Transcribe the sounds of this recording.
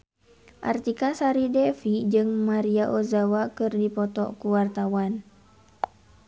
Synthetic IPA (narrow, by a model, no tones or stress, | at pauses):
ʔart̪ikasaɾidɛfid͡ʒɨŋmaɾiaʔozawakɨrdipɔt̪ɔ̰kuwart̪awan